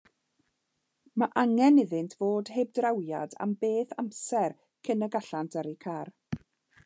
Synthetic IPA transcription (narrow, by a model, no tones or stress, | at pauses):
maʔaŋɛnɪðɪntʰv̥oːd̥heb̚drawja̰da̰mbeːθamsɛr | kʰənəɡaɬantʰəɾikʰaːr